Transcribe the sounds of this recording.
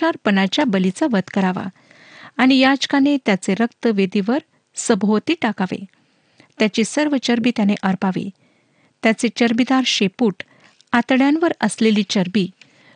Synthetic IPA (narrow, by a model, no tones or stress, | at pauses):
aɾpənat͡ɕjabəlit͡saʋəd̪kəɾaʋa̰ | aɽ̃ijad͡ʑkanet̪jat͡seɾəkt̪əʋed̪iʋəɾ | səbʱot̪iːʈakaʋḛ | t̪jat͡ɕisəɾʋət͡ɕəɾbiːt̪janeʔəɾpaʋḛ | t̪jat͡set͡ɕəɾbid̪aɾɕepuːʈ | at̪ɽjãnʋəɾəsleliːt͡ɕəɾbiː